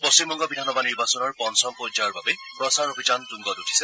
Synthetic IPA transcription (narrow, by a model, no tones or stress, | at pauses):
pɔstimbɔŋɡɔbidʱanɔbaniɹbasɔnɔɹpɔnsɔmpod͡ʒaɔɹbabepɹɔsaɹobʱid͡ʒantuŋɡɔtutʰi̥sɛ